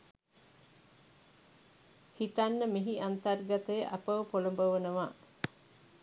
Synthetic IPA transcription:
hit̪anːəmiɦiʔant̪arɡat̪əjəʔapəʋəpolombəʋənəʋaː

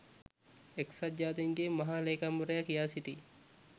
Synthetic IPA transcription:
eksɐd͡ʒːaːd̪eŋɡemɐɦaːleːkamuɾɐjakijaːsit̪i

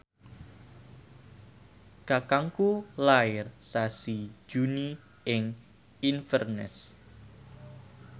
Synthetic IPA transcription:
kakaŋkulaɪrsasi̥d͡ʒuni | ʔɪŋ | infərnɛ̰s

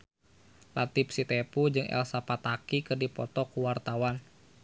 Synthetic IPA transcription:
lat̪ip̚sit̪ɛpud͡ʒɨŋɛ̰lsapat̪akikɨrdipɔt̪ɔkuwart̪awan

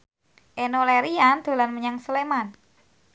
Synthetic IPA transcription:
ʔenoleɾiand̪̥o̤lanməɲaŋsəleman

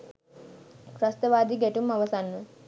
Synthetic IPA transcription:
kɾɐst̪ɐʋaːd̪iɡɛʈumɐʋɐsanːə

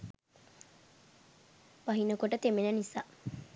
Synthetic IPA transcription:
ʋɐɦinɐkoʈət̪emenɐnisa

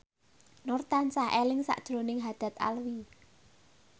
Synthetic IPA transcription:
nort̪ansahʔelɪŋsa̰ʔd̥ʒ̥ɾonɪŋɦad̪̥a̤t̪̚a̰lwi

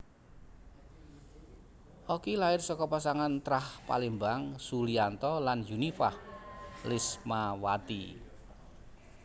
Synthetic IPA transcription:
ʔokilaɪrsɔkɔpasaŋant̪ɾahpa̰limbaŋsuliant̪ɔlanjunifahlɪsmawat̪i

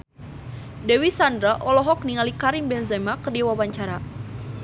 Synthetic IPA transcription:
dɛwisandɾaʔɔlɔɦɔk̚niŋalikaɾimbɛnzamakərdiwawaɲt͡ʃaɾa

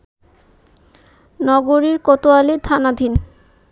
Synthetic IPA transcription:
nɔɡoɾiɾkɔt̪oalet̪ʰanad̪ʱin

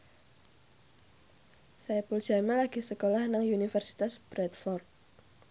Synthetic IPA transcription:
sajapul̥ʒ̥amɛlaɡ̥isəkolahnaŋunifərsi̥t̪asb̥ɾɛt̪̚fɔrt̪̚

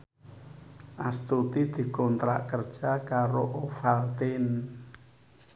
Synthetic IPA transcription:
ʔast̪ut̪id̪̥i̤kɔnt̪ɾa̰ʔkərd̥ʒ̥akaɾoʔofalt̪ɪn

